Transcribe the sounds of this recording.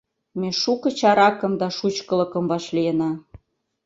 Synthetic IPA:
meʃukɤ̆t͡ɕɑɾɑkɤ̆md̪ɑʃut͡ɕkə̆lɤ̆kə̆mvɑʃlijenɑ

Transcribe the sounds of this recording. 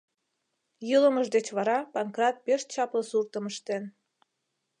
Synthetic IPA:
jələməʒd̪et͡ɕβɑɾɑpɑŋkrɑt̪̚peʃt͡ɕɑpləsurt̪əməʃt̪en

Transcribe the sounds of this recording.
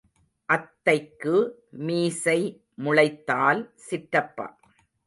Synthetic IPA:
ʔɐt̪ːɐɪkːɯmiːsɐɪ | mʊɭɐɪt̪ːaːlsɪʈɾɐpːɐ̰

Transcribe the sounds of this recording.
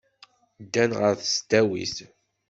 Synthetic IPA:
d̪ːænʁəɾθst̪æwḭθ

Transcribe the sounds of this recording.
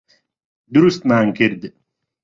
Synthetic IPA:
d̪uɾust̪maːŋkiɾd̪

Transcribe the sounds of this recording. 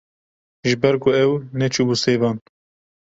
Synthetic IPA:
ʒɪbɛɾkʊɛwnɛt͡ʃʰubuseːvɑːn

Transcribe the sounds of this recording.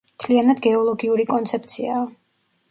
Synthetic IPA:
mt̪ʰlianad̪ɡɛɔlˠɔɡiuɾikʼɔnt̪sʰɛp̚ʰt̪sʰiaː

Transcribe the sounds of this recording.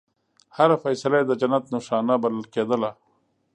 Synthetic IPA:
haɾafɐjsəlajed̪əd͡ʒɐnat̪nʊʂɑːnabɐləlkeːd̪əla

